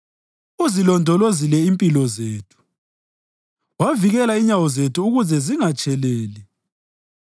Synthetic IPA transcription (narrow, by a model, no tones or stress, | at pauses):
uzilɔndʱɔlozilɛimpʼilɔzeːtʰu̥ | waviɣɛlaiɲawɔzetʰuːɣuzɛziŋat͡ʃʼʰɛlɛːlɛ